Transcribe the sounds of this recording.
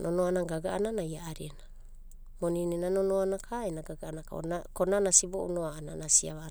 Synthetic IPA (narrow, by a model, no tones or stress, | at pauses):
nʔonoanaɡaɡa̰ʔananajaaɾiena | moninenanonoanakʰaenaɡaɡaanakakonanasiboʔunoaana̰nasiaβa